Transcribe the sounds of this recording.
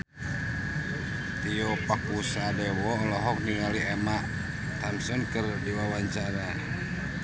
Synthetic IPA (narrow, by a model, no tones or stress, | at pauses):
t̪iɔpakusadɛwɔlɔɦɔk̚niŋaliɛmaʔ | t̪amsɔnkɨrdiwawaɲt͡ʃaɾa